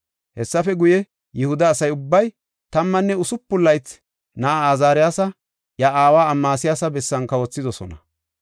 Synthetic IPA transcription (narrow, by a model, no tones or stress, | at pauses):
hɛsːɐfɛɡʊjɛ | jɪhʊd̪ɐːsɐjʊbːɐj | t̪ɐmːɐnːɛʊsʊpːʊlːɐjt͡s | nɐʔaaːzaːɾɪjaːsɐ | jaʔaːwaːmːaːsɪjaːsɐbɛsːɐnkɐwɔt͡sːɪd̪ɔsɔ̰nɐ̰